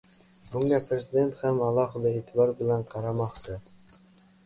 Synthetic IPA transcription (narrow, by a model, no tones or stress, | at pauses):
bʊŋɡapʰɾezɪd̪e̞nt̪hamɑlˠɒɦɨd̪aeːt̪ʰɪbɑɾbɪlanqʰɑɾɑmɑχt̪ɪ